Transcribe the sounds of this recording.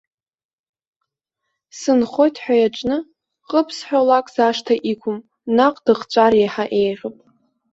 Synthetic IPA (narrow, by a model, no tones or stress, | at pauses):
sɨnχo̞jtʰʼħʷᶣajaʈ͡ʂʷʼnɨ | qʼəpʰsħʷᶣalakʼz̥aʂtʰaʔikʷʰʊm | naqʼd̥ɨχt͡ʃʷʼarjejħaʔejʁʲopʼ